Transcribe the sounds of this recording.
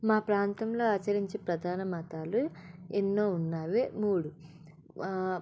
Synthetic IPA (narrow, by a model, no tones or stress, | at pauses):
maːpɾaːnt̪ɐmlo̞ːaːt͡ʃɐɾiɲt͡ʃepɾɐd̪ʱaːnɐmɐt̪aːluenːo̞ːunːaːʋemuːɽu